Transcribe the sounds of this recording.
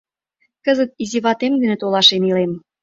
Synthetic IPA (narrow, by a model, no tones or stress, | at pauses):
kəzət̪̚iziβɑt̪emɡ̪ə̆nĕt̪olɑʃenilem